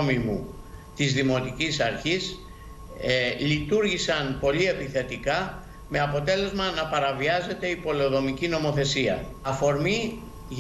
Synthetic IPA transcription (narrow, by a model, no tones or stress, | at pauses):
mimṵt̪izðimo̞t̪icisɐɾçis | lit̪uɾʝisɐnpo̞lie̞piθe̞t̪ikɐ | me̞ɐpo̞t̪e̞le̞zmɐnɐpɐɾɐviɐze̞t̪e̞ipo̞leðo̞micino̞mo̞θe̞siɐ̰ | ɐfo̞ɾmi | ʝ